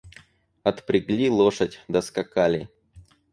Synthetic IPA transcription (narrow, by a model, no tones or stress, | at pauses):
ɐt̪pɾʲɪɡlʲilˠoʂətʲd̪ɐskɐkalʲɪ